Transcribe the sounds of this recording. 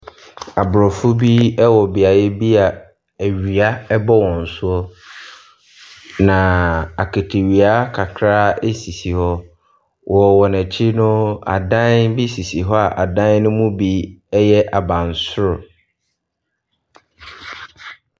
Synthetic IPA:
a˨bɾɔ˨fʊ˦bi˦ɛ˦wɔ˨bi˨a˨jɛ˦bi˦a˨ | æ˨ɥi˨a˦ɛ˦bɔ˦wɔ̃˨n̩˨sʊ˦ɔ˦ | nã˨a˨kʰe˨tʰe˨ɥi˨a˦kʰa˨kʰɾaː˦e˦si˨si˨hɔ˦ | wʔɔ˨wɔ˨næ˨t͡ɕʰi˦nʊ̃˦a̰˨dã˦nbi˦si˨si˨ɦɔ˦a˨ʔa˨dã˦n˦nʊ̃˦mũ˦bi˦ɛ˦jɛ˦ʔa˨bã˨n˨sʊ˦ɾʊ˨

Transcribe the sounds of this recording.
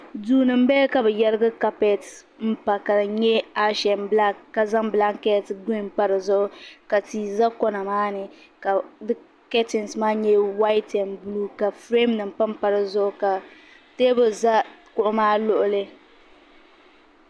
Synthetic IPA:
duː˦nɨ˨m̩˦bɛ˦ka˨bɛ˨jɛ˦lɨ˦ɡa˦ka˦pɛ˨t | m̩˦pa˨ka˨ɲɛ˦a˦ʃɛ˨mbla˦ka˨za˦ŋbla˦ŋ˦kɛ˦˨tɡi˦˨mpa˦ɾɨ˨zʊ˦ʔʊ˦ka˨tiː˨za˦kɔ˦na˨maː˦nɨ˨ | ka˨dɨ˦ | kɛ˦tɪ˨n˨smaː˦ɲɛ˦wa˦ɪ˦tɛ˨nblu˦ka˨fɾe˦mnɨ˨m̩˨pa˦m˦pa˨ɾɨ˨zʊ˦ʔʊ˦ka˨ | te˦bɨ˨za˦kʊ˦ʔʊ˦maː˦lʊ˦ʔʊ˦lɨ˦

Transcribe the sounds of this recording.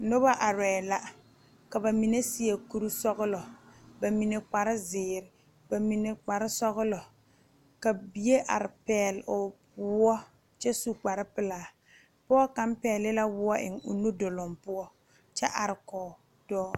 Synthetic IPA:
no˦ba˦ʔa˨ɾɛː˨la˦ | ka˨ba˨mi˨ne˦si˦e˨ku˦ɾu˦sɔ˦ɣʊ˦lɔ˨ba˨mi˨ne˨k͡pa˨ɾɪ˦zɪː˨ɾɪ˨ | ba˨mi˨ne˨k͡pa˨ɾɪ˦sɔ˦ɣʊ˦lɔ˨ | ka˨bi˨˦je˦ʔa̰˨ɾɪ˨pɛː˨lʊ˨ | wʊ˦ɔ˦ | t͡ʃɛ˦su˦k͡pa˨ɾɪ˦pɪ˦laː˨ | pɔ˦ɔ˦ka˦mpɛː˨lɪ˦la˦wʊ˦ɔ˦ʔɪ̰˨ŋʊ̰˨nu˦dʊ˨lɔ˨mpʊ˦ɔ˦ | t͡ʃɛ˦ʔa˨ɾɪ˨kɔː˨ | d̥ɔː˦

